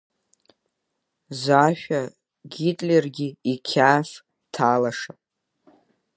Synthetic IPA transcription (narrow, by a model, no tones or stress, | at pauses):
zaʃᶣa | ɡʲitʼlʲerɡʲiikʲʰaːʃ | tʰaːlaʂapʼ